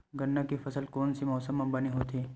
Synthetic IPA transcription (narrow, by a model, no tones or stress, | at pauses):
ɡɐnːakifɐsəlkɔːnsimɔːsəmːɐ̃bɐniɦoːt̪ʰiː